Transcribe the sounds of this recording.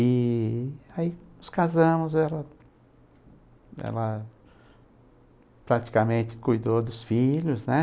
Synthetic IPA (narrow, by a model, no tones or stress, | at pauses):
ɪ | ainʊskazɐ̃mʊzɛlɐ | ɛ̰lɐ | pɾat͡ʃi̥kamẽnt̪ɪ̥kujd̪od̪ʊsfiʎʊznɛ